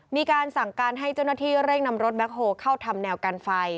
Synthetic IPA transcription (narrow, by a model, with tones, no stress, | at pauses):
miː˧kaː˧nsa˨˩˦ŋkaː˧nɦa˥˩jt͡ɕa˥˩wnaː˥˩t̪ʰiː˥˩ɾe˥˩ŋna˧mɾo˦˥t̪̚bɛ˦˥k̚ɦoː˧kʰa˥˩wt̪ʰa˧mnɛː˧wka˧nfa˧j